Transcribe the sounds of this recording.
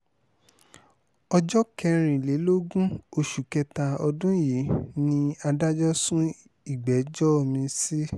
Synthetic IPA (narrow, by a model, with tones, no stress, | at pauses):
ɔ˧d͡ʒɔ˦kɛ˧ɾ̃ĩ˨le˨˦lo˦ɡũ˦o˧ʃu˨kɛ˧ta˧ɔ˧dũ˦je˨˦nĩ˧a˧da˦d͡ʒɔ˦sũ˦ | i˦˨ɡ͡bɛ˨˦d͡ʒɔ˦o˦˨mĩ˧si˦